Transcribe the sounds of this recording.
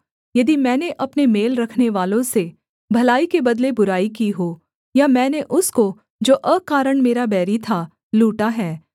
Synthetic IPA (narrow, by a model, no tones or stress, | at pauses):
jɐd̪imɛ̃ːneʔɐpnemeːlɾɐkʰneʋaːlõse | bʱɐlaːikebɐd̪lebʊɾaːikiɦoː | jamɛ̃ːneʔʊsko | d͡ʒoːʔəkaːɾəɳmeːɾabɛːɾit̪ʰa | luːʈaɦɛː